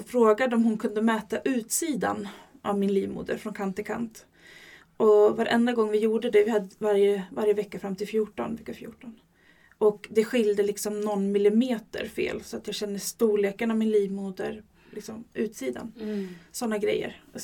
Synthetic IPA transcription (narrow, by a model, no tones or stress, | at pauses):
fɾoːɡad̪əɔmhʊnkʰɵnd̪əmɛːt̪aʔʉ̟ːt̪siːd̪a̰n | ʔa̰vmɪnliːvmṵːd̪ə̰ɾfɾɔnkʰant̪ːɪkʰa̰nt̪ | ʔɔvaɾʔɛ̰nd̪aɡɔŋːvɪjuːɖəd̪ɛvɪhad̪ːəvaɾjəvaɾjəvɛkːafɾamːt̪ʰɪlfjuːʈɔ̰nvɛkːafjṵːʈɔn | ʔɔkd̪ɛɧɪljd̪əlɪksɔmnɔnːmɪlɪmeːt̪ə̰ɾfḛːlsɔat̪jɑːɡɕɛnːəst̪uːɭeːkənavmɪnliːvmuːd̪ə̰ɾ | lɪksɔmʉ̟ːt̪siːd̪a̰nsɔnːaɡɾɛ̰jːə̰ɾ